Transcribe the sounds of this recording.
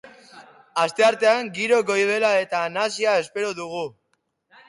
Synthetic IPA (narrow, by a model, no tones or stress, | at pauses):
ast̪e̞aɾt̪e̞aŋɡiɾo̞ɡo̞jβ̞e̞lae̞t̪anasiae̞spe̞ɾoðuɣ̞u